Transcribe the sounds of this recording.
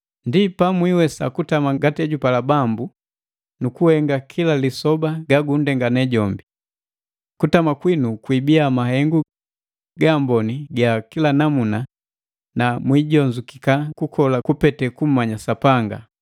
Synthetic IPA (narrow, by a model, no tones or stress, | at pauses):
ndipamwiwɛsa̰kutamaɡatɛɟupalabambu | nukuhɛŋɡakʰilalisɔbaɡaɡundɛŋɡanɛɟɔmbi | kutamakwinukwibiamaɦɛŋɡu | ɡambɔniɡakilanamuna | namwiɟɔɲd͡ʒukikakukʰɔlakupɛtɛkum̩maɲasapaŋɡa̰